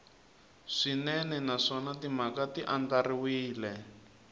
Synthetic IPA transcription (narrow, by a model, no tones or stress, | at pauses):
ʂinɛnɛnaʂɔnatimakatiʔandariwiːlɛ